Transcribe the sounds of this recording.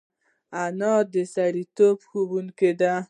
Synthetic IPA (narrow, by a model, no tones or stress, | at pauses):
anɑd̪əsaɽit̪obxobuŋked̪a